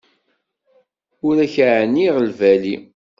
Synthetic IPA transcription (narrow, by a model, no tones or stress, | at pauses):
ʊɾæçʕniʁəlvæli